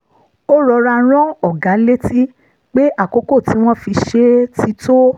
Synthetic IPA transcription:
o˦ɾɔ˧ɾa˧˦ɾ̃ɔ̃˦ɔ˦˨ɡa˨˦le˦ti˦ | k͡pe˦ʔa˦˨ko˨˦ko˦˨ti˨˦w̃ɔ̃˦fi˧ʃe˧˦ti˧˦to˦

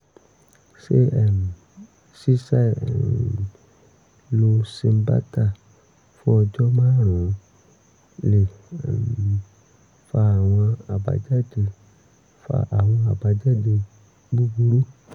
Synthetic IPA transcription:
se˦ɛ˨m˨ | si˦sa˦˨ɛ̰˨m˨ | lo˧si˧m˦ba̰˦ta˦˨ | fu˦ɔ˧d͡ʒɔ˦mãː˦ɾ̃ɔ̃˨˦ | lḛ˨ | fa˧a˨w̃ɔ̃˧a˨ba̰˨˧d͡ʒa˦de˧ | fa̰˧ʔa˨w̃ɔ̃˧a˨ba˨d͡ʒa˦de˧ | bu˦bu˧ɾu˦

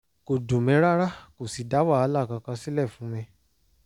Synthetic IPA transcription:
ko˨dũ˨mɛ̃˨˦ɾa˦ɾa˦ko˨si˨da˨˦waː˦˨˧la˦˨kã˧kã˧si˦lɛ˦˨fũ˨˦mɛ̃˧

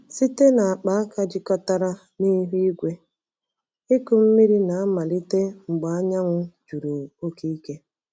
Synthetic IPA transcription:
si˦te˦na˨a˨k͡pa˨˦a˦ka˦d͡ʒɪ˦kɔ˦ta˦ɾa˦ | ni˦ɦu˦i˦ɡʷe˦ | ɪ˦kʊ˨m̩˦mi˦ɾi˦na˨a˦ma˨li˦te˦ŋ͡m̩˨ɡ͡ba˨a˦ɲa˦ŋʷʊ˦d͡ʒu˨ɾu˨o˦ke˦i˦ke˦

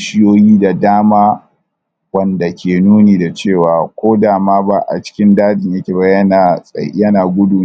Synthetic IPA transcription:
ʃɪ˦joː˦jiː˦da˨daː˦maː˦ | wɐ˦˨nda˨kʲeː˨nuː˦niː˨da˨t͡ʃeː˦˨waː˨kʷoː˦daː˨maː˦ba˦ʔa̰˨t͡ʃɪ̥˦kʲɪ˦ndaː˦dɪ˨ɲjɐ˦kʲeː˨bɐ˦jɐ˦na˨sʼɐ̰˨jɐ˦naː˨ɡʷʊ˦du˨˦

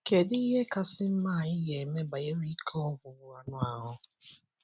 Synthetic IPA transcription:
ke˨dɪ˦i˦ɦe˦ka˦sɪ˦m̩˦ma˦˨ɪ˦je˨e˨me˦ba˨je˦ɾi˦kʰɔ˦ɔ˦ɡʷʊ˨wʊ˦a˨nʊ˦a˨ɦʊ˦

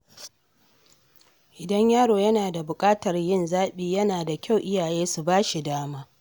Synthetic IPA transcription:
ʔɪ˨dɐ˦ɲjaː˦ɽoː˨jɐ˦naː˨da˨bʊ˨kʼaː˦tɐ˨rjɪ˦nzaː˦ɓiː˦jɐ˦naː˨da˨kʲa˦˨wʔɪ˦jaː˨jeː˦su˨baː˦ʃi˨daː˦maː˦

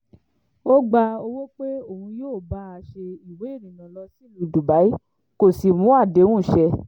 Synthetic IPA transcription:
o˦ɡ͡ba˧o˧wo˦k͡pe˦o˦˨hũ˧joː˦˨ba˨˦a˧˨ʃe˧i˨we˨˦i˦˨nĩ˨nã˨lɔ˧si˦li˧du˨ba˨˦i˦ | ko˨si˨mũ˨˦a˦˨de˨˦w̃ũ˦˨ʃɛ˧

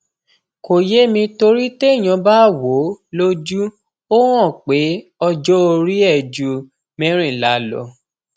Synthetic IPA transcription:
ko˨je˦mĩ˧to˧ɾi˦te˦i˦˨j̃ã˧ba˦˨wo˨˦lo˦d͡ʒu˦ | o˦w̃ɔ̃˦˨k͡pe˨˦ɔ˧d͡ʒɔ˦o˧ɾi˦ɛ˦˨d͡ʒu˨ | mɛ̃˦ɾ̃ĩ˦˨la˨˦lɔ̰˨˦

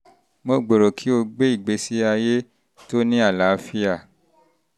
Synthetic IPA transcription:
mo˧ɡ͡bo˨ɾo˨kʰi˨˦o˧ɡ͡be˦i˦˨ɡ͡be˨˦si˦a˧je˦ | to˦nĩ˦a˦˨la˨˦fi˦a˦˨

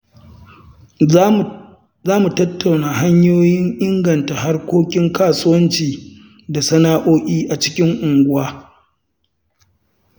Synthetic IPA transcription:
zaː˦mu˨tɐ˦tːa˨wnaː˨ɦa˦ɲjoː˦jɪ˦ŋʔɪ˦ŋɡɐ˨nta˨ha˦rkʷoː˦kʲɪ˦ŋkaː˨sʊ˦wɐ˦nt͡ʃiː˨ | da˨sɐ˦naː˦ʔoː˦ʔʲʼiː˦ʔa˨t͡ʃɪ̥˦kʲɪ˦ŋʔʊ˨ŋɡʷʊ˦waː˦

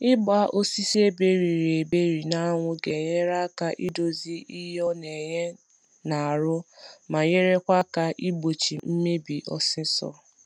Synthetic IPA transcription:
ɪ˦ɡ͡ba˦ʔo˦si˦si˦e˦be˦ɾi˨ɾe˨be˦ɾi˨na˦ŋʷʊ˦ɡe˨ɲe˦ɾa˦ka˦ʔi˦do˨zi˦i˦ɦɔ˦ne˨ɲe˦ | na˨a˨ɾʊ˦ma˨ɲe˦ɾe˦kʷa˦ka˦ʔi˦ɡ͡bo˨t͡ʃi˨m̩˦me˦bi˨ʔɔ̰˨sɪ˦sɔ̰˦

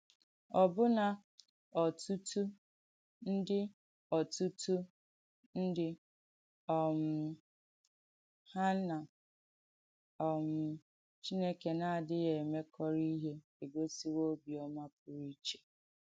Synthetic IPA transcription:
ɔ˨bʊ˦na˨ | ɔ˨tu˦tu˦ | n̩˦dɪ˦ | ɔ˨tu˦tu˦ | n̩˦dɪ˦ | ɔ˨m̩˨ | ha˦na˨ | ɔ˨m̩˨ | t͡ʃi˦ne˦ke˨na˨a˨dɪ˦je˨me˦kʰɔ˦ɾi˦ɦe˦ | e˨ɡo˦si˦wo˦bi˨ɔ˦ma˦p̚ʊ˨ɾi˦t͡ʃe̥˨

